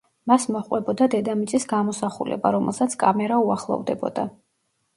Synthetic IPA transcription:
masmɔχqʼwɛbɔd̪ad̪ɛd̪amit̪sʼisɡamɔsaχṵlɛ̰ba̰ɾɔmɛlˠsat̪sʰkʼamɛɾauaχlˠɔ̰vd̪ɛbɔ̰d̪a

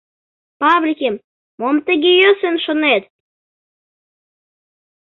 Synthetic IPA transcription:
pɑβlʲikʲem | momt̪əɣejøsənʃonet̪

